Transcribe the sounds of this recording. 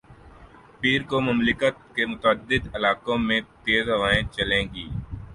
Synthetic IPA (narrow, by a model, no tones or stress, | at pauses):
piːɾkomʊmlɪkət̪̚kemʊt̪əəd̪ːɪd̪ɪlaːkõmẽt̪eːzɦɐʋaːẽt͡ʃɐlẽːɡiː